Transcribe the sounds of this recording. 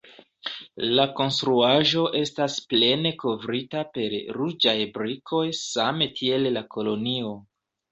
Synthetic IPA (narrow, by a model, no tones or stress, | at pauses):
lako̞nstɾuaʒo̞ʔe̞stasple̞ne̞ko̞vɾitape̞ɾɾud͡ʒajbɾikʰo̞jsametʰie̞lːakʰo̞lo̞nio̞